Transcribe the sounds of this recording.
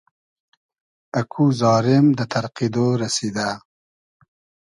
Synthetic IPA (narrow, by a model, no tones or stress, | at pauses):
akʰuzɑːɾɪmd̪ət̪ʰaɾqid̪oɾasid̪a